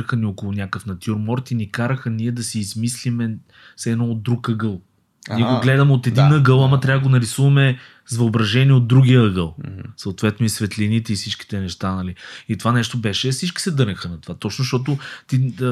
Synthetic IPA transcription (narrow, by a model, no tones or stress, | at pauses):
əxəniɔkʊlˠʊnʲjakəfnɐt̪ʲjuɾmɔɾt̪inɛkaɾəxəniɛd̪ɐsiːzmislimɛ | sɛd̪nɔd̪ɾukəɡəlˠ | niɛɡoɡlɛd̪ɐmɛot̪ɛd̪inəɡəlˠamɐt̪ɾʲavd̪əɡonɐɾisuvɐmɛ | zvɐobɾɐʒɛniɛod̪ːɾuɡʲijəəɡəlˠsɐot̪vɛt̪noisvɛt̪linit̪ɛifsit͡ʃki̥t̪ɛnɛʃt̪anɐliit̪ovanɛʃt̪obɛʃɛfsit͡ʃkʲi̥sɛd̪ɤɾnʲəxənɐt̪ovat̪ɔt͡ʃnoʃt̪ɔt̪̬ʊt̪i